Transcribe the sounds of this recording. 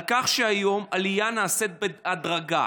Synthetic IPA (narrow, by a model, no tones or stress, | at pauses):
kaχʃeajo̞malijanaːset̪̚bead̪ʁaɡa̰